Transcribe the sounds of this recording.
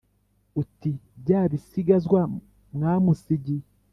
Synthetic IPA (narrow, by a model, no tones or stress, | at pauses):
utiɟaːβisiɡazɡwa | mŋaːmusiɟi